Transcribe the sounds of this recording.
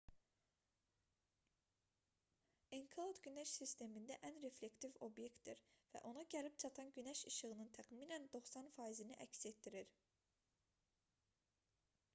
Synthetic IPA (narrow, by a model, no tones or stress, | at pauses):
eŋkʰlˠod̪ɟynæʃsist̪e̞mind̪æʔænɾe̞fle̞kt̪ivo̞bje̞kt̪d̪iɾvæ̰ʔo̞nɑɟælipt͡ʃʰɑt̪ʰɑnɟynæʃɯʃɯɣɯnɯnt̪ʰæχmiːnænd̪o̞χsɑnfɑːiziniʔæ̰cse̞t̪ːiɾiɾ